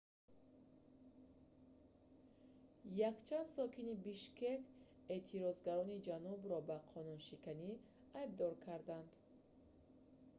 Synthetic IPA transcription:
jakt͡ʃʰand̪sɔkʰinibiʃkek | e̞t̪ʰiɾɔzɡaɾɔnid͡ʒanubɾɔbaqʰɔnunʃikani | ajb̚d̪ɔɾkʰaɾd̪and̪

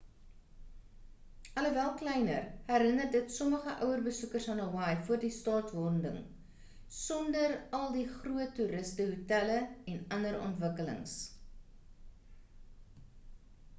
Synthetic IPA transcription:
ʔɐləvælˠklɛjnə̰rhæɾənərdətsɔməχəʔœwərbəsukərsfɐnəwɑjfuərdistɑːtvɔndə̰ŋ | sɔndərɐlˠdiχruətːuɾəstəɦutæləɛnɐndəɾɔ̰ntvəkələ̰ŋs

